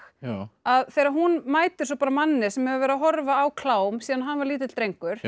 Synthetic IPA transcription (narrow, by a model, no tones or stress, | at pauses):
xaðθeːjɾaɾhɦunmaːjt̪ɪ̥sɔpaːɾamanːɪ̥sɛmhɛvʏɾvɛːɾaɦɔɾvaːwkʰlaːwmsiːðanɦanvaɾliːt̪ɪ̥t̪ɾejŋkʏɾ̥